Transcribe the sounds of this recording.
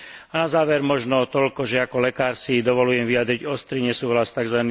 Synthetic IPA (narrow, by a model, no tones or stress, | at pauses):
anazaːʋɛɾmɔʒnɔt̪ɔʎkɔʒɛakɔlɛkaːɾsid̪ɔʋɔlujɛmʋiad̪ɾiɟɔst̪ɾiɲɛsuːɦlast̪aɡzʋani